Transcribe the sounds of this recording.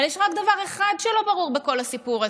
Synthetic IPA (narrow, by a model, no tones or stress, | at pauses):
aljɛʃʁakd̪avaʁeχadʃelo̞baʁuʁbeko̞lasipuʁa